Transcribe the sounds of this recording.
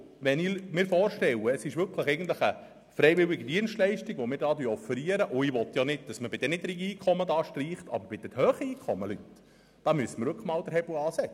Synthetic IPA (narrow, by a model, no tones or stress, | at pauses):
ʋɛnimɪːɾfɔːrʃtɛwəːsɪʃʋʏɾkʰləχɛɪɡən̩t̪ləχə | fɾɛɪʋɪwɪɡəd̪iənstlɛɪʃtiɡʋomɪːɾdɑːdyːɔfəɾiəɾəʔʊiʋɔt̪jɑnɪd̚d̥ɑsməbɪd̥ɛnɪtɾiɡiːkʰɔmːədɑːʃtriːχtɑ̰bəɾb̥ɪd̥̪ɛthœːχəiːkʰɔmːəlyt | d̥ɑːmyəsəməɾʋʏkəχmɑːld̥̪əɾhɛblɑːsɛ